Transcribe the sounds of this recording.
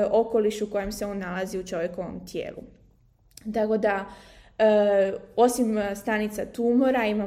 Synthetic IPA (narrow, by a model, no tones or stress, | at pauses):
o̞ko̞liʃuko̞je̞mse̞o̞nːalaziut͡ʃo̞ʋjeko̞ʋo̞̰mt̪jḛːlṵ | t̪ako̞d̪a | o̞simst̪anit̪sat̪umo̞ɾaima